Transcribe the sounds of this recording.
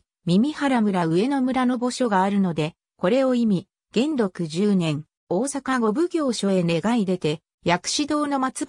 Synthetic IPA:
mʲimʲihaɾamɯ̟ɾaɯ̟e̞no̞mɯ̟ɾano̞bo̞ɕo̞ɡaːɾɯ̟no̞d̪e̞ | ko̞ɾe̞o̞imʲi | ɡ̥ẽ̞nd̪o̞kɯ̟ʑɨːnẽ̞ŋ | oːsakaɡo̞bɯ̟ɡʲo̞ːɕo̞e̞ne̞ɡaid̪e̞t̪e̞ | jakɯ̟̥ɕid̪o̞ːno̞mat͡sɨ

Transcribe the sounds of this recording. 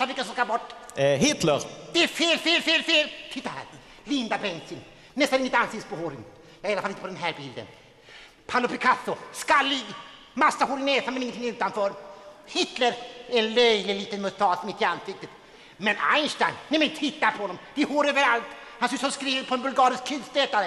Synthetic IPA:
t̪avɪkasɔmskabɔʈːɦɪt̪lə̰ɾd̪̥ɛæfeːlfeːlfeːlfeːlt̪ʰɪt̪ːaɾhæ̰ːɾ | lɪnd̪abɛnsɪn | nɛst̪anɾɪŋːət̪ansɪkt̪əspɔhoɾɪn | jɑːɪalafalɪt̪əpɔd̪ɛnɦæːɾbɪld̪ə̰n | pʰalʊpʰɛkʰasːʊskalːi | masːahoːɾɪnɛːsamɛnɪŋənt̪ʰɪŋːʉːt̪anfœːɾhɪt̪ləɾɛnlœjəliːt̪ənmʊst̪ʰɑːsmɪt̪ːɪansɪk̚t̪ət̪ | mɛna̰ɪnsʈajnnːɛmɛnnt̪ʰɪt̪ːaɾpʰɔhɔnːɔmvɪhoːɾøːvəɾalt̪hansʉsɔskɾiːvəɾpʰɔɛnbɵlɡɑːɾɪskʰːɪd̪st̪ɛːt̪aɾə

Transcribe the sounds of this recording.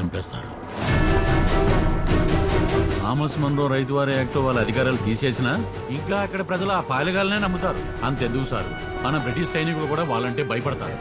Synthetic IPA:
ɐmpɛːst̪a̰ːɾṵ | aːmɐsmɐnɾoːɾɐjt̪uʋaːɾijɐːk̚t̪oːʋaːɭːɐd̪ʱikaːɾaːlut̪iːse̞ːsinɐ | iŋkaːɐkːɐɽɐpɾɐd͡ʒɐluaːpaːlɐɡaːlɐne̞ːnɐmːbut̪aːɾu | ɐnt̪end̪ukusa̰ːɾṵ | mɐnɐbɾiʈiʃsɐjnikulukuːɽaːʋaːɭːɐɳʈe̞ːbʱɐjɐpɐɽɐt̪a̰ːɾu

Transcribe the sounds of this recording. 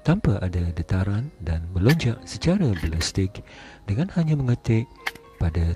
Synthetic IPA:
t̪ampaʔadadət̪aɾandanmə̃loɲd͡ʒaʔsət͡ʃaɾabəlast̪ɪk̚dəŋãnhaɲãmə̃ŋət̪eʔ | pada

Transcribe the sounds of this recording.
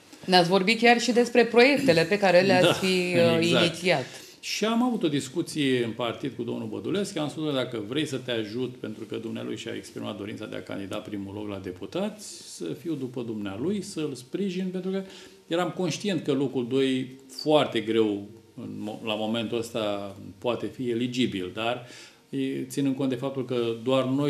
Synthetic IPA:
neat̪sʲvo̞rbit̪̚kʲarʃid̪e̞spɾe̞pɾo̞je̞k̚t̪e̞le̞pe̞kaɾelead̪fiəizzankit̪siatt̪ | ʃiamavut̪o̞d̪iskut̪sijeɨnpart̪id̪̚kud̪o̞̰mnubə̰d̪ule̞skjamsusukəd̪akəvɾe̞jsət̪eaʒut̪pe̞nt̪ɾukəd̪umnea̰lṵjʃia̰ekspɾima̰t̪d̪o̞ɾint̪sad̪ḛa̰ka̰nd̪id̪a̰pɾimuloklad̪e̞put̪at̪sʲsəfiwd̪upəd̪umnealujsəɨlspɾiʒinpe̞nt̪ɾukə | jeɾamko̞nʃt̪ije̞nt̪̚kəlo̞kuld̪o̞j | foart̪e̞ɡɾe̞w | ɨnolamo̞me̞nt̪uəst̪apoat̪e̞fie̞lid͡ʒibild̪ar | jet̪sinɨnkot̪d̪efap̚t̪ulkəd̪oarno̞j

